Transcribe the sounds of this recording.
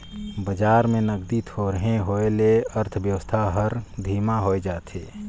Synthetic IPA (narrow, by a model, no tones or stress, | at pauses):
bəd͡ʒaːɾmẽnəɡ̚d̪it̪ʰoːɾəɦẽɦoːeleəɾt̪ʰbjəʋəst̪ʰaɦəɾd̪ʱiːmaɦoːed͡ʒaːt̪ʰḛː